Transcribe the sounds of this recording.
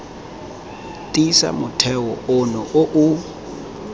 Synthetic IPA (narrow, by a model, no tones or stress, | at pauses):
tʼisa̰mʊtʰɛwɔʊnɔʔoʔʊ